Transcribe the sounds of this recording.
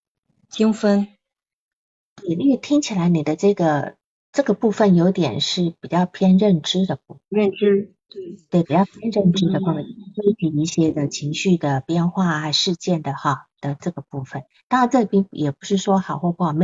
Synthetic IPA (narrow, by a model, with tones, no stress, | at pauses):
t͡ɕi˥ŋfə˥n | ti˨˩ly˥˩t̪ʰi˥ŋt͡ɕʰi˨˩la˧˥ɪni˨˩d̪ə˦ʈ͡ʂɤ˥˩ɡə˩ | ʈ͡ʂɤ˥˩ɡə˩pu˥˧fə˨˩njo˧˥ʊt̪jɛ̰˨˩nʂɻ̩˥˩pi˨˩t͡ɕjɑ˥˧ʊpʰjɛ˥nɻə˥˩nʈ͡ʂɻ̩˥d̪ə˨pu˥˩ə˥˩nʈ͡ʂɻ̩˥˩ | t̪we˥˩ɪpi˨˩t͡ɕjɑ˥˧ʊpʰjɛ˥nɻə˥˩nʈ͡ʂɻ̩˥d̪ə˨kɑ˥ŋ˥˩˥we˥˩t͡ɕʰi˧˥i˥˩ɕjɛ˥d̪ə˨t͡ɕʰi˧˥ŋɕy˥˩d̪ə˩pjɛ˥nxwa˥˩a˧˩ʂɻ̩˥˧t͡ɕjɛ˥˩nd̪ə˩xɑ˨˩d̪̥ə˨ʈ͡ʂɤ˥˩ɡə˩pu˥˩fə˩˦nt̪a˥˧ɻa˧˥nʈ͡ʂɤ˥˩˨pi˥njɛ˨˩pu˧˥ʂɻ̩˥˩ʂwɔ˥xɑ˨˩ʊxwɔ˥˧xwɔ˥˩ɑ˨˩me˥